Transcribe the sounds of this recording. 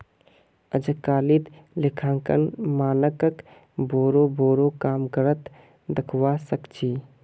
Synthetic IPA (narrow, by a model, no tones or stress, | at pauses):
əd͡ʒkaːlit̪lɪkʰãːkə̰nmaːnəkək | boːɾoboːɾokaːmkəɾət̪ | d̪əkʰwasəkt͡ʃʰiː